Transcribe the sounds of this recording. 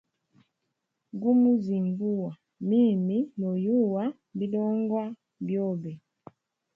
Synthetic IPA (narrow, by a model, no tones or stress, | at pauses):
ɡumuzimbuwa | miːminojuwa | biloːŋɡwa | bjoβe